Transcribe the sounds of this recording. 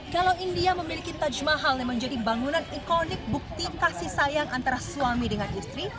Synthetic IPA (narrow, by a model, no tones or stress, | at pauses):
kalawindiaməmilikit̪ad͡ʒmaɦaljaŋməɲd͡ʒadibaŋunanikonɪk̚buk̚t̪ik̪asisajaŋant̪aɾasuamidəŋanist̪ɾi